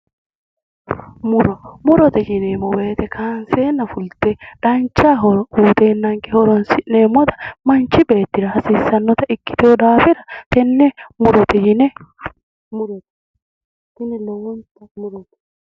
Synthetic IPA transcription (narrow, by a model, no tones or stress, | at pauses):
mʊɾɔmʊɾɔt̪ɛd͡ʒɪnemɔweːt̪ɛkʰaːnseːnɐfʊlt̪eᶑɐnt͡ʃːaːɦɔɾɔuːt̪eːnːɐŋkɛhɔɾɔnsɪnemɔt̪ɐ̥mɐnt͡ʃːɪbeːt̪ːɪɾɐhɐsiːsːɐnːɔt̪ɐɪkːɪ̥t̪eɔd̪aːfɪɾɐt̪ɛnːɛmʊɾɔt̪ɛjɪnɛ | mʊɾɔt̪ | tɪnɛlɔwɔnt̪ɐmʊɾɔt̪ɛ̥